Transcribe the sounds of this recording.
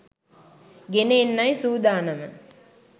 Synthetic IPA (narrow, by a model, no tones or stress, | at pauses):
ɡeneenːajsuːd̪aːnɐmə